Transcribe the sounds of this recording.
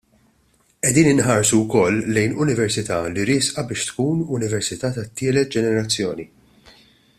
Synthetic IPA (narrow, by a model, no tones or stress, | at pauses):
ʔɛd̪iːnɪnħɐːɾsuwkɔlːɛjnʊnɪvɛɾsɪt̪ɐ̰ːliɾɪːsʔɐbɪːʃt̪kuːnʊnɪvɛɾsɪt̪ɐːt̪ɐt̪ːɪːlɛt̪̚d͡ʒɛnɛɾɐt͡sːjɔːni